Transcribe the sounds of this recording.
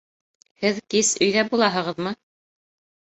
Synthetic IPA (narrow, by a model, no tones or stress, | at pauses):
hɘðkisɵ̆jðæbulˠɑɦɤ̆ʁɤðmɤ